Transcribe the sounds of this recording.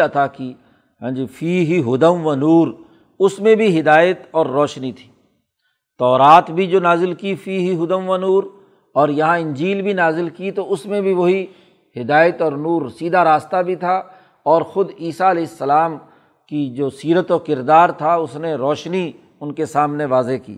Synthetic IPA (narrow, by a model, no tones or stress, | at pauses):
ɐt̪ʰaːki | ɦɛ̃ːd͡ʒifiːɦiɦʊd̪əmʋanuːɾ | ʊsmẽbʱiɦɪd̪aːjət̪ɔːɾːɔːʃnit̪ʰi̥ː | t̪ɔːɾaːt̪bʱid͡ʒoːnaːzɪlkifiːɦiɦʊd̪əmʋanuːɾ | ɔːɾjɐɦãɪ̃nd͡ʒiːlbʱinaːzɪlkit̪oʊsmẽbʱiʋoɦi | ɦɪd̪aːjət̪ɔːɾnuːɾsiːd̪ʱaɾaːst̪abʱit̪ʰa | ɔːɾxʊd̪iːsaɐlɛːɪsːɐlaːm | kid͡ʒoːsiːɾət̪ɔːɾkɪɾd̪aːɾt̪ʰaʊsneɾɔːʃni | ʊnkesaːmneʋaːzekḭː